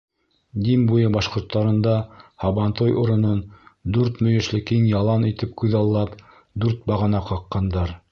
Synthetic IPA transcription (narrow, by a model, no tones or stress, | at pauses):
d̪imbujɤbɑʃqŏɾt̪ːɑɾɤ̆nd̪ɑhɑβɑnt̪ojʔuɾɤ̆nond̪ʉɾt̪mɵ̆jɘ̆ʃlɘkiŋjɑlˠɑnit̪ɘp̚kʉðɑlˠːɑp | d̪ʉɾt̪̚bɑʁɤ̆nɑqɑqːɑnd̪ɑɾ